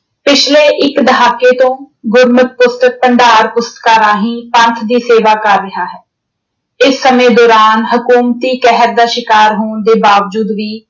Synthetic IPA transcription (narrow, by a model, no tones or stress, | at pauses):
pɪt͡ʃʰlẽːʔɪkd̪əɦaːkeːt̪õːɡʊɾmət̪̚pʊst̪ək̚pəɳɖaːɾpʊst̪kaːɾaːɦĩːpə̃nt̪ʰd̪iːseːʋaːkəɾːɪɦaːɦɛː | ɪsːəmẽːd̪ɔːɾaːnɦʊkuːmt̪iːkɛɦəɾd̪aːʃɪkaːɾɦoːɳd̪eːbaːʋd͡ʒuːd̪ʋiː